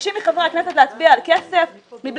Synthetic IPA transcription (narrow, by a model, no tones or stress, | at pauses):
ʃimiχavʁakneset̪̬leat͡sbialkesef | mibl